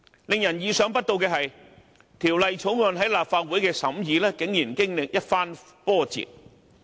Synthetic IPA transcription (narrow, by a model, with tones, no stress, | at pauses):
lɪ˨ŋjɐ˨˩njiː˨˧sœː˨˥ŋpɐ˥t̚t̪o˧wkɛː˧hɐ˨j | t̪ʰiː˨˩wlɐ˨jt͡sʰo˨˥wŋœː˨˧nɦɐ˨˥jlaː˨p̚faː˧t̚wuː˨˥jkɛː˧sɐ˨˥mjiː˨˧lɛː˥kɪ˨˥ŋjiː˨˩nkɪ˥ŋlɪ˨k̚jɐ˥t̚faː˥n | fɔː˥t͡sḭ˨t̚